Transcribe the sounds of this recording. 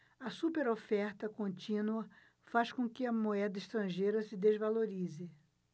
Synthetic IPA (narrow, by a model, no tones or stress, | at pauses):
ɐsupeɾofɛɾt̪ɐkõnt͡ʃĩnuɐ | faskõkɪɐmoɛd̪ɐɪʃt̪ɾɐ̃ʒejɾɐsɪd̪ezvaloɾizɪ